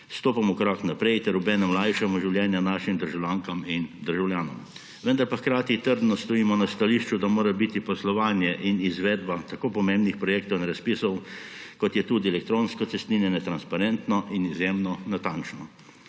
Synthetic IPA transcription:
st̪oːpamɔkɔɾaknapɾɛjt̪ɛɾubɛːnɛmlajʃamɔʒiwljɛːnjanaːʃimd̪əɾʒawlʲjaːŋkamind̪əɾʒawljaːnɔ̰m | ʋənd̪aɾpaxkɾaːt̪it̪əɾd̪nɔst̪ɔiːmɔnast̪aliʃt͡ʃud̪amoːɾabit̪ipɔslɔʋaːnjɛʔinizʋɛːd̪bat̪akoːpɔmẽmbnixpɾɔjeːkt̪ɔwinɾaspisɔwkɔt̪jɛt̪uːd̪iɛlɛk̚t̪ɾoːnskɔtsɛst̪ninɛnɛt̪ɾanspaɾɛnt̪nɔʔinizjemnɔnat̪ant͡ʃnɔ

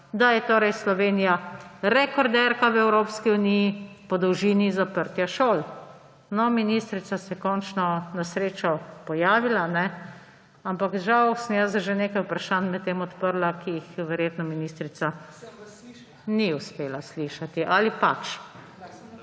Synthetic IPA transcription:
d̪ajɛt̪oːɾɛjslɔʋeːnijaɾɛkɔɾd̪ɛɾkaʋɛwɾoːpskiunijipɔd̪ɔwʒiːnizapəɾt̪jaʃoːl | nɔminist̪ɾit̪sasɛkɔnt͡ʃnɔnasɾeːt͡ʃɔpɔjaːʋilanɛ | ampakʒawsənjasʒeneːkajupɾaʃanmɛt̪ːeːmɔt̪pəɾlakiixʋɛɾjeːt̪nɔminist̪ɾit̪sa | niuspeːlasliʃat̪iʔalipat͡ʃ

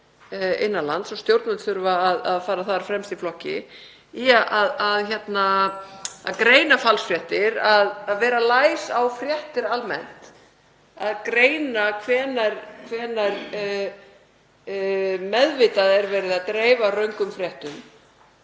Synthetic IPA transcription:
ɪnːalant̪sɔst̪jowɾt̪nat̪θʏɾvaːðaðfaːɾaθaðɾafɾɛmst̪iflɔhcɪ̰ | iaʔaðaðçɛt̪na | a̰ðkɾeːjnafalsfɾjɛht̪ɪɾaðaðvɛːɾalaːjsawfɾjɛht̪ɪɾalmɛ̰n̥t̪ | aðkɾeːjnakʰvɛːnaɾkʰvɛːnaɾ | mɛðvɪt̪aðɛɾvɛːɾɪðaðt̪ɾeːjvarœɥŋkʏmfɾjɛht̪ʏm

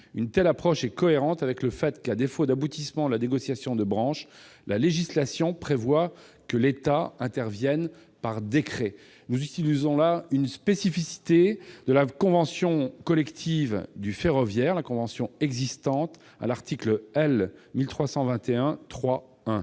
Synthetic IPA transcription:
ynt̪ɛlapχɔʃɛkɔeʁɑ̃t̪avɛkləfɛt̪kad̪efod̪abut̪ismɑ̃d̪əlaneɡɔsjasjɔ̃d̪əbʁɑ̃ʃ | laleʒislasjɔ̃pχevwakəlet̪aɛ̃t̪ɛʁvjɛn | paʁd̪ekχɛ | nuzyt̪ilizɔ̃laynspesifisi̥t̪ed̪əlakɔ̃vɑ̃sjɔ̃kɔlɛkt̪ʰivd̪yfeʁɔvjɛʁlakɔ̃vɑ̃sjɔ̃ɛɡzist̪ɑ̃t̪ | a̰laʁt̪ʰikləɛlmilt̪χwasɑ̃vɛ̃t̪eɛ̃t̪χwa | ɛ̃

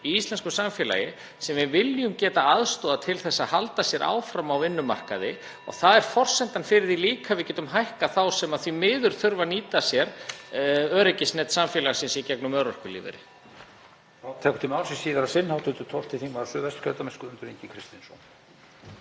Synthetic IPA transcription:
iist̪ɛnskʏsamfjɛːla̰jɪ | sɛmvɪvɪljʏmcɛːt̪aaðst̪ɔːðat̪ʰɪlθɛsːaðhalt̪asjɛɾʔa̰ːwfɾamawɪnːʏma̰r̥ka̰ðɪ | ɔ̰ɣθaðɛɾ̥fɔr̥sɛnt̪anfɪɾɪɾðiliːkʰavɪðcɛːt̪ʏmɦajhkaθawsɛmaðθvimɪːðʏɾ̥θʏɾvaniːt̪asjɛɾ | œːɾɪcɪsnɛt̪samfjɛːlaɣsɛnsjɛcɛknʏmœwɾœr̥kʏlḭːvɪ̰ɾɪ̰ | θawt̪ʰɛːkt̪ɪmawlsisiːðaɾasɪnːhawt̪ʰʏnt̪ʏt̪ʰɔl̥t̪ʰɪθiŋvaðsœːvɛst̪kʰœlt̪amɪnskʏʏnt̪ʏɾeɲcɪkʰɾɪst̪insɔn

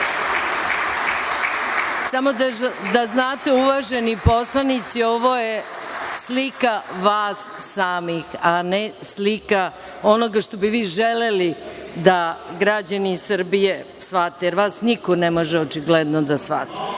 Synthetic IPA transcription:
samod̪aznaːt̪e̞uʋaʒenipo̞slˠanit̪sio̞ʋo̞jeslikaʋaːsːaːmixane | slika | o̞noɡaʂt̪o̞biʋiːʒelelid̪aɡɾad͡ʑaniːsrbijesʋat̪ejeɾʋaːsnikonemoʒɛot͡ʃiɡled̪nod̪asʋa̰t̪i̥

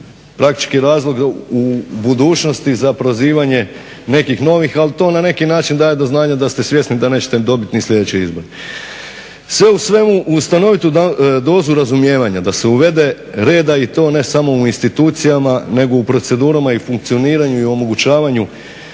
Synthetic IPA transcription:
pɾak̚t̪i̥t͡ʃkiɾaːzlˠo̞ɡubud̪uːt͡ʃno̞st̪izapɾoziːʋaɲe̞ | ne̞kixno̞ʋixalit̪o̞ːnane̞kinaːt͡ʃind̪aːje̞d̪o̞znaːɲad̪ast̪esʋje̞snid̪ane̞ːt͡ɕet̪ed̪o̞bit̪nislje̞d̪et͡ɕeizbo̞ɾe | sʋe̞usʋe̞muʔust̪ano̞ʋit̪ud̪o̞ːzuɾazumje̞ːʋaɲad̪ase̞uʋe̞d̪e̞ | ɾe̞ːd̪ait̪o̞ːne̞samo̞uinst̪it̪uːt̪sijamane̞ɡo̞upɾo̞t̪se̞d̪uːɾamaifuŋk̚t̪sio̞niːɾaɲuio̞mo̞ɡut͡ɕaːʋaɲu

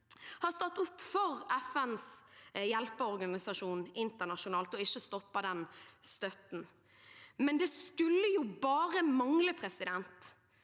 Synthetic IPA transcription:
hɑst̪ɑt̪ːʊpːfɔʁɛfɛnsjɛlpəɔɾɡɑnɪsɑʂuːnɪnt̪ənɑʃʊnɑːlt̪ɔɪçːəst̪ɔpːɑd̪ɛnst̪œt̪n̩ | mɛnd̪ɛskʉlːəjubɑːɾəmɑŋləpʰɾɛsɪd̪ɛnt̪

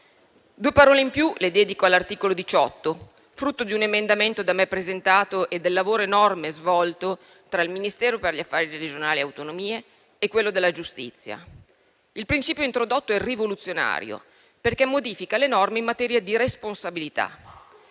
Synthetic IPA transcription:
d̪uːepaɾɔːleimpjuled̪ɛːd̪ikoalːart̪iːkolod̪it͡ʃɔt̪ːo | fɾut̪ːod̪iunemend̪ament̪od̪amepːɾezent̪aːt̪oʔed̪ːelːavoːɾoenɔrmezvɔlt̪o | t̪ɾailminist̪ɛːɾoperʎiafːaːɾiɾed͡ʒonaːlieawt̪onomiːeː | kwelːod̪elːad͡ʒust̪ḭt̪sːja̰ | ilpɾint͡ʃiːpjoint̪ɾod̪ot̪ːoɛrivolut̪sːjona̰ːɾjo̰ | perkɛmːod̪iːfikalenɔrmeimːat̪ɛːɾjad̪iɾesponsabilit̪a̰

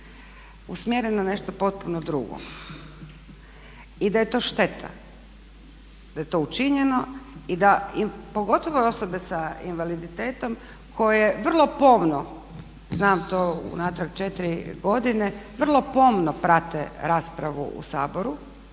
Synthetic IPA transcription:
usmjeɾenane̞ʃt̪opo̞t̪̚punod̪ɾuɡo̰ | id̪aje̞t̪o̞ːʃt̪e̞t̪ʰa̰ | d̪̥aje̞t̪o̞ut͡ʃiɲeno̞id̪aipo̞ɡo̞t̪oʋoo̞sobe̞saḭnʋalid̪it̪eːt̪o̞m | kʰo̞jeʋr̩lˠo̞po̞mno | znaːmt̪oːṵnat̪ɾaɡt͡ʃet̪iɾiɡo̞d̪ineʋr̩lˠo̞po̞ːmnopɾat̪ḛɾaːspɾaʋṵṵsaːboɾu

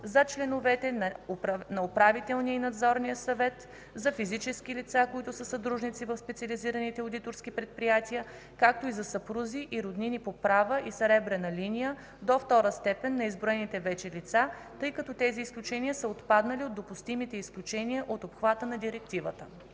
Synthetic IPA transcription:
zɐt͡ʃlɛnʊvɛt̪ɛnɐopɾavit̪ɛlˠniəinɐd̪zɔɾnijəsɐvɛt̪ | zɐfizit͡ʃɛsk̟ilit̪sakoit̪ʊsəsɐd̪ɾuʒnit̪sivəfspɛt̪siəliziɾənit̪ɛʊd̪it̪oɾsk̟ipɾɛt̪̚pɾijat̪iə | kak̚t̪oizɐsɐpɾuziʔiɾod̪ninipopɾavəʔisɾɛbɾɛnɐlinijə | d̪oft̪ɔɾəst̪ɛpɛnːɐizbɾoɛnit̪ɛvɛt͡ʃɛlit̪sa | t̪ɤjkɐt̪ɔt̪ɛziːsklʲut͡ʃɛniəsəot̪pad̪nəliod̪ːopust̪imit̪ɛisklʲut͡ʃɛniəʔot̪opxvat̪ənɐd̪iɾɛk̚t̪ivət̪ə

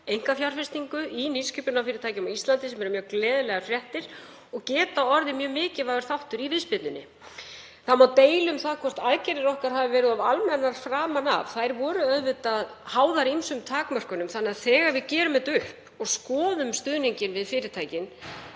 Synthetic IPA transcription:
ejŋ̥kafjawɾ̥fɪst̪niŋkʏʔiniskʏpʏnawfɪːɾɪɾt̪ʰaːjcɪmɔist̪lant̪ɪsɛmɛɾʏmjœːɣklɛːðʏlɛɣaɾfɾjɛht̪ɪɾ̥ | ɔɣcɛːt̪aɔɾðɪmjœːɣmɪːcɪvavɛɾ̥θawht̪ʏɾivɪðspɪt̪nʏnːɪ̰ | θamawt̪eːjlʏmθaðkʰvɔst̪aðcɛɾɪɾɔhkaɾ̥havɪvɛːɾɪðavalmɛnːaɾ̥fɾaːmana̰vθajɾvɔːɾʏœðvʏt̪að | haːwðaɾinsʏmt̪ʰaːkmœr̥kʏnʏmθanːɛaðθɛːɣaɾvɪðcɛːɾʏmɛt̪ʏhp | ɔɣskɔːðʏmst̪ʏðniɲcɪnvɪðfɪːɾɪt̪ʰaːjcɪn

